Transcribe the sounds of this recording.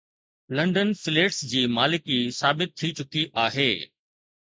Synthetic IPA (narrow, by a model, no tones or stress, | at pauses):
lɐ̃ɳɖənfɪleːʈsd͡ʑiːmaːlɪkisaːbɪt̪ʰːit͡ɕʊkiʔaːɦeː